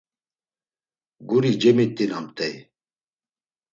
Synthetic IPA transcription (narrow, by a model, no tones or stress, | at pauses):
ɡuɾid͡ʒɛmit̪ʼːinamt̪ʼɛj